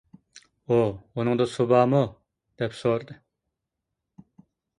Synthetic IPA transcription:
ounɨŋd̪ɑsobɑːmu | d̪̥ɛpsoɾd̪ɨ

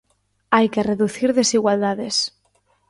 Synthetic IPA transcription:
ajkereðuθiɾðe̞siɣwald̪aðes

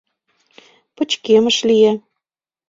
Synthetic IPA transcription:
pə̆t͡ɕkemə̆ʃlije

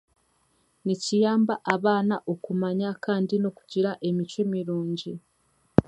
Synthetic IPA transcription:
nicijaːmbaʔaβaːnaʔokumaɲakaːndino̞ku̥ɟiɾaʔe̞mit͡ʃwe̞miɾuːɲɟi

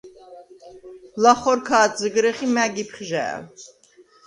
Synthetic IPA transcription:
laχɔɾkʰaːt̪zəɡɾɛχimæɡipʰχʒɛ̰ː

